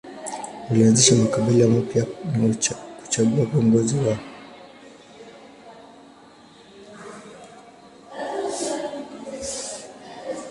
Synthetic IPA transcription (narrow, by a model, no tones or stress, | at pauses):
ulianzɛʃamakaɓiliwam̩pjanaku̥t͡ʃaɡuaviɔŋɡɔziwaɔ